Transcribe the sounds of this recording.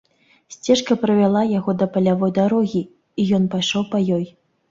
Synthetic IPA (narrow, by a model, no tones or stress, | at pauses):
sʲt͡sʲɛʂkɐpɾɐvʲalˠajaɣɔd̪ɐpɐlʲavɔjd̪aɾɔɣʲi | ijɔnpajʂɔwpɐjɔj